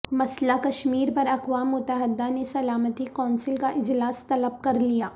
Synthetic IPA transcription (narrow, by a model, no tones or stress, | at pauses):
mɐslakɐʃmiːɾpɐɾɐqʋaːmːʊt̪əɦɪd̪anesɐlaːmət̪ikɔːnsɪlkaʔɪd͡ʒlaːst̪ɐləb̚kɐɾlijaː